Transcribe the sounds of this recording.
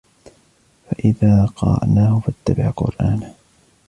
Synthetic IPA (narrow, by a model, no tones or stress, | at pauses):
faʔɪðaːqɑɾɑ̰ʔnaːhʊfat̪ːabɪʕqʊ̰ɾʔaːn